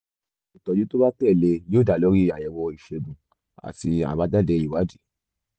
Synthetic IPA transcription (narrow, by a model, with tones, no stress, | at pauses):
i˨tɔ˧d͡ʒi˨˦to˦ba˦tɛ˦˨le˧joː˦˨da˨lo˨˦ɾi˦a˨jɛ˨wɔ˧i˨ʃe˧bũ˨ | a̰˨ti˧a̰˨ba˧˦da˦˨dɛ˧i˨wa˨˦d͡ʒi˦